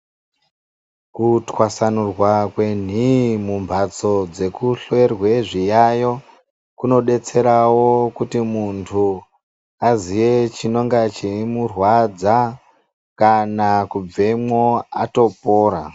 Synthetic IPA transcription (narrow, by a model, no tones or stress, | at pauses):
kutwasanurwakwe̞n̤imumbʱat͡so̞d͡ze̞kuɬoerwe̞ʐijajo̞ | kuno̞ɗe̞t͡se̞ɾawo̞kutimuntʰu | azije̞t͡ʃino̞ŋɡat͡ʃimurwad͡za | kanakub͡ve̞mo̞ato̞poːɾa